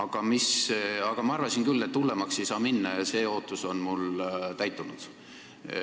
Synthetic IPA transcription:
ɑɡ̥ɑmisɑɡ̥ɑmɑɑrvɑsinkylːet̪ːulːe̞mɑkse̞jsɑːminːɑse̞ːo̞ːt̪ːˑuso̞nmult̪æjt̪ːˑunud̪̥

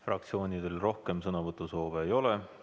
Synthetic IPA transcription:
frɑ̰k̚t̪sio̞ːnid̪̥elro̞hke̞msɤnɑvɤt̪ːˑuso̞ːveːjo̞le

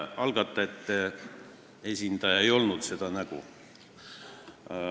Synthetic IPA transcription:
ɑlɡ̥ɑt̪ːˑɑe̞t̪ːˑ | e̞sʲind̪̥ɑjɑe̞jo̞lnud̪se̞d̪̥ɑnæɡ̥ṵ

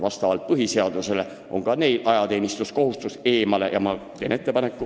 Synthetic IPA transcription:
vɑst̪ɑvɑlt̪̚pɤɦise̞ɑd̪̥use̞le̞ | ʔo̞ŋkɑne̞jlʔɑjɑt̪e̞ːnist̪usko̞ɦust̪use̞ːmɑle̞̰jɑ̰mɑt̪e̞ːne̞t̪ːe̞pɑne̞kːˑu

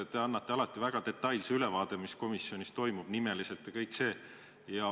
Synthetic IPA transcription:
t̪eɑnːɑt̪ːˑe̞ɑlɑt̪ːˑivæɡ̥ɑd̪e̞t̪ːˑɑjlseylevɑːd̪̥e̞misko̞misːjo̞nʲist̪o̞jmub̥nime̞lise̞lt̪ːjɑkɤjkse̞ː | jɑ

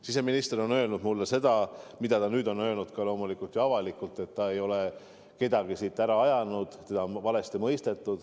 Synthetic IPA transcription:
sis̬e̞minist̪eɾo̞nø̞lnud̪mulːese̞d̪̥ɑmid̪̥ɑt̪ɑnyːd̪o̞nø̞lnud̪kɑlo̞ːmulikult̪jɑɑvɑlikult̪ːˑe̞t̪ːɑe̞jo̞le̞ | ke̞d̪̥ɑɡisiːt̪ːˑæɾɑɑjɑnud̪̥t̪e̞d̪̥ɑvɑle̞st̪imɤjst̪e̞t̪ːˑud̪̥

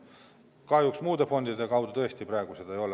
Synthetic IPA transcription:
kɑjuksmuːd̪e̞fo̞nd̪id̪ekɑwd̪̥ut̪ɤest̪iprɑeɡ̥used̪̥e̞jo̞l

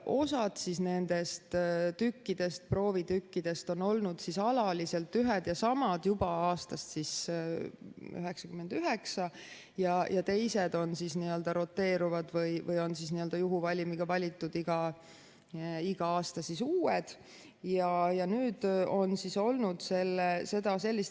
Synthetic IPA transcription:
ʔo̞sɑd̪̥sisne̞nd̪̥e̞st̪t̪ykːid̪̥e̞st̪̚pro̞ːvit̪ykːid̪̥e̞st̪o̞no̞lnud̪̥sisɑlɑlise̞lt̪ːˑyɦed̪̥jɑsɑmɑd̪̥jubɑɑːst̪ɑst̪sis | y̰ɦeksɑkymːe̞nd̪̥yɦeksɑ | jɑjʔɑt̪e̞jse̞d̪̥o̞nsisniø̞ld̪ɑɾo̞t̪ːe̞ːɾuvɑd̪̥vɯjvɯjo̞nsisniø̞ld̪̥ɑjuɦuvɑlʲimiɡ̥ɑvɑlʲit̪ːˑud̪iɡ̥ɑ | iɡ̥ɑɑːst̪ɑsisuːed̪̥ | jɑjɑnyːd̪̥o̞nsiso̞lnud̪̥se̞lːese̞d̪ɑse̞lːist̪

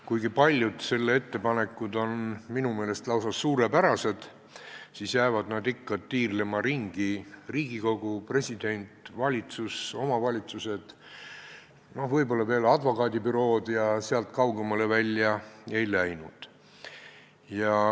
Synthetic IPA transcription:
kujɡipɑlʲjud̪̥se̞lːee̞t̪ːe̞pɑne̞kːˑud̪o̞nminume̞ːle̞st̪lɑwsɑsːuːɾepæɾɑse̞d̪̥ | siːsjæevɑd̪nɑd̪ikːɑd̪̥̚t̪iːrlemɑɾiŋɡ̥iriːɡ̥iko̞ɡ̥upre̞sʲid̪e̞nʲt̪ˑvɑlʲit̪suso̞mɑvɑlʲit̪suse̞d̪̥ | no̞hvɤjbo̞lːɑve̞ːlɑd̪vo̞kˑɑːd̪ʲipyɾo̞ːd̪jɑseɑlt̪ˑkɑwɡe̞mɑle̞vælʲːjɑe̞jlæjnṵd̪̥ | jɑ

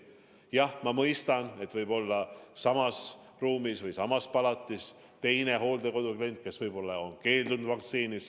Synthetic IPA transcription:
jɑhmɑmɤjst̪ɑne̞t̪ːˑvɤjb̥o̞lːɑsɑmɑs | ruːmisvɯjsɑmɑspɑlɑt̪ˑːis | t̪e̞jne̞ɦo̞ːld̪e̞ko̞d̪ukle̞nʲt̪̚ˑke̞svɤjb̥o̞lːɑo̞nke̞ːld̪unud̪vɑkt̪siːnis

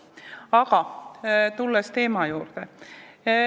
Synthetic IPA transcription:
ɑɡ̥ɑ | t̪ulːest̪e̞ːmɑjuːrd̪̥e

